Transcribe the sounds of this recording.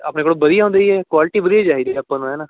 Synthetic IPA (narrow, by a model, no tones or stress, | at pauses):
a̰ːpneːkoːɽobəd̪ɪijaːɦõnd̪eːiɛːkwaːlɪʈiːbəd̪ijaːt͡ʃaːɦid̪eaːpːãːnũɦɛːnaː